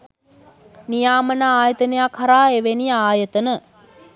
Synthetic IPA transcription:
nijaːmənəaːjət̪ənəjakʰhɐɾaːeʋenijaːjət̪ənə

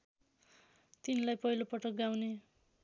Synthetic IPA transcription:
t̪inlajpʌɦilopʌʈʌk̚ɡawne

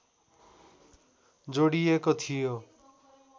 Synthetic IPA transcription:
d͡zoɽijekɔt̪ʰijo

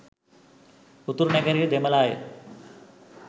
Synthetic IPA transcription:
ut̪ːuɾneɡəɾid̪eməlaːje

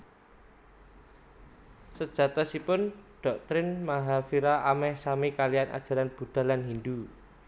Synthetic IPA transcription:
səd̥ʒ̥a̤t̪ɔsipʊnɖ̥ɔk̚t̪ɾɪnmaɦafiɾaʔamɛhsamikalijana̰d̥ʒ̥a̤ɾanb̥ṳɖ̥a̤lanɦind̪u

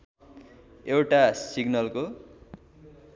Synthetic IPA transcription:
ewʈasiɡnʌlko

